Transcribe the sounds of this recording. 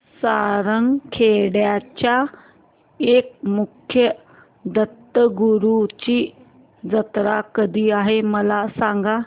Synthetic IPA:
saɾəŋɡkʰeɽjat͡ɕa | ek̚mukʰjə | d̪ət̪ːəɡuɾut͡ɕiː | d͡zət̪ɾakəd̪ʱiːaɦeməlasãŋɡa

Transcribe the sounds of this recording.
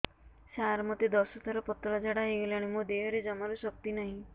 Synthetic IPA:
saɾmɔt̪id̪ɔsɔt̪ʰɔɾɔpɔt̪ɔlad͡ʒaɽaɦeɡelaɽ̃imõd̪eɦɔɾed͡ʒɔmaɾusɔk̚t̪inaɦĩ

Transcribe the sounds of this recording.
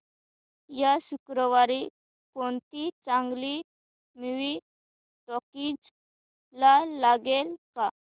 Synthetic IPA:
jasukɾɔʋaɾi | koɳt̪it͡sãŋɡli | miʋi | ʈɔkid͡z | lalaɡelka

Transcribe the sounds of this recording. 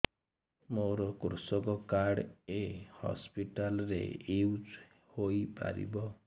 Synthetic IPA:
moɾɔkɾusɔkɔkaɽehɔ̰spiʈalɾḛewd͡ʒ | hojpa̰ɾḭbɔ

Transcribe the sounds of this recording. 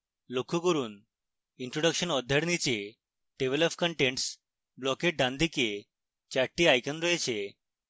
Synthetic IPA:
lokʰːukəɾuːn | iɳʈɾoɽəkɕənɔd̪ʱːjəɽnit͡ɕe | ɖeʋeləpkəɳʈẽɳʈs | blɔkeʈ̚ɖãnd̪ʱike | t͡ɕaɾʈiajkənɾɔjet͡ɕe

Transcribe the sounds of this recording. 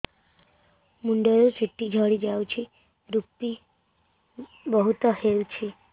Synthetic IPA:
muɳɖəɾusiʈːid͡ʒʱəɽid͡ʒawt͡ʃʰi | ɾupːi | bəɦut̪ɔɦeut͡ʃʰe

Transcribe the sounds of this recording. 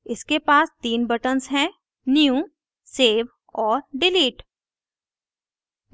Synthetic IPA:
ɪskepaːst̪iːnbəʈənsɦɛ̃ | njjũ | seːʋ | ɔːɾɖɪliːʈ

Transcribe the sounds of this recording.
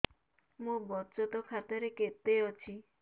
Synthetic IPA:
mũbɔt͡ʃɔt̪ɔkʰat̪ɔɾeket̪eɔt͡ʃʰi

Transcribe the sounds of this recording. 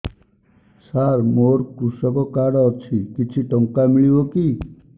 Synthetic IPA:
saɾmoːɾkɾusɔkɔkaɽɔt͡ʃʰikit͡ʃʰiʈɔ̃ŋkamiɭiɦoki

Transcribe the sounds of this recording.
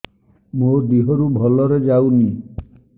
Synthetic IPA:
mod̪iɦɔɾubʱɔlɔɾɔd͡ʒauni

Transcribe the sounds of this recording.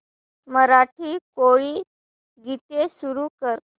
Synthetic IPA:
məɾaʈʰiːkoɭiː | ɡʱit̪esuɾuːkəɾ

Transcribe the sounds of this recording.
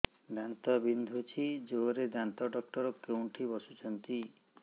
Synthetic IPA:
d̪ant̪ɔbind̪ʱut͡ʃʰid͡ʒoɾed̪ant̪ɔɖɔk̚ʈɔɾɔkewɳʈʰibɔsut͡ʃʰɔnt̪i

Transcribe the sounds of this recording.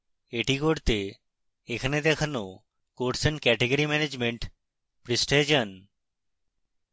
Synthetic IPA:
eʈikoɾt̪e | ekʰaned̪ɛkʰano | koʈsənkɛʈeɡoɾimɛned͡ʑmeɳʈ | pɾisʈed͡ʒən

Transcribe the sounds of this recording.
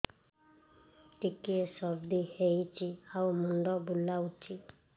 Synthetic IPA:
ʈ̪ikiesɔbd̪ihejt͡ʃʰiawmuɳɖɔbulawt͡ʃʰi

